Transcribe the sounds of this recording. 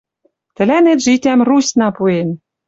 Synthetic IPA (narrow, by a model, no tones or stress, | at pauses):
t̪ɘ̆lænet̪ʒit̪ʲæmrusʲnɑpuen